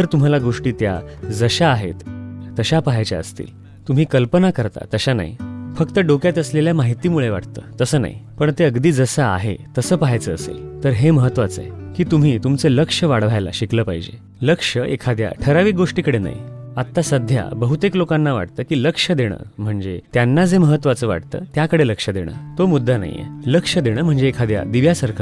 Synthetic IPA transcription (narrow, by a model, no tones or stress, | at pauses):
t̪əɾt̪um̤alaɡoʂʈiːt̪ja̰d͡zəɕaːɦet̪ːəɕapaɦajt͡ɕa̰ə̰st̪ḭːl | t̪um̤iːkəlpənakəɾt̪a̰t̪əɕana̰ḭfək̚t̪əɖokjat̪əsleljamaɦit̪iːmuɭeʋa̰ʈt̪ə̰ːt̪əsəːna̰ɦḭpəɳt̪eəɡd̪iːd͡zəsaa̰ɦet̪əsəːpaɦajt͡səːsḛlt̪əɾɦeməɦət̪ːʋat͡sekiːt̪um̤iːt̪umt͡sələkʂəʋaɽʋajla̰ɕikləːpaɦid͡ʑḛ | ləkʂəʔḛkʰad̪ja̰ʈʰəɾaʋiːɡoʂʈiːkəɽena̰ɦjḭat̪ːasəd̪ʱja̰bəɦut̪eklokãnːaʋa̰ʈ̚t̪əːkiːləkʂəd̪eɽ̃ə̰ːm̤əɳd͡zet̪janːad͡zeməɦət̪ːʋat͡səːʋa̰ʈt̪ə̰ːt̪jakəɽeləkʂəd̪eɽ̃ə̰ːt̪omud̪ʱːana̰jḛləkʂəd̪eɽ̃əːm̤əɳd͡zeːkʰad̪ja̰d̪iʋjasəɾkʰa